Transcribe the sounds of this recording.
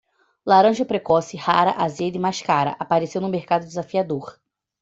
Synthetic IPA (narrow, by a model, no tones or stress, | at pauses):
laɾɐ̃ʒɐpɾekɔsɪhaɾɐʔazed̪ɪmaʃkaɾɐ̰ʔapaɾesewnũmeɾkad̪ʊd̪ɪzafiad̪oɾ